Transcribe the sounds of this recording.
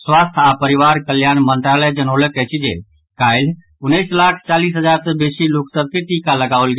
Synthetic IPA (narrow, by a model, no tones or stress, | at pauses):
swast̪ʰapəɾiʋaɾkəljaːnmənt̪ɾaləd͡ʒənolekɛɦt͡ʃʰid͡ʒḛ | kaɪl | ʊnːəɪslakʰt͡ʃaliːsɦəd͡ʒaːɾsəbesiloksəkit̪ikaləɡaʋəlɡ